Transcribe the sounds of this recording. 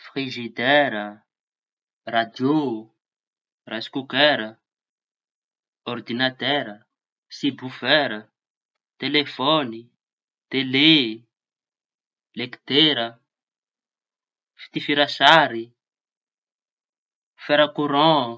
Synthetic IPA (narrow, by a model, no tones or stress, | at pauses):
fχiʒid̪ɛɾə | rad̪jo | raskukɛɾə | ɔrd̪inat̪ɛɾə | sibufɛɾə | t̪elefɔni | t̪ele | lekt̪eɾə | fi̥t̪ifiɾasaɾi | fɛɾakuɾɔ̃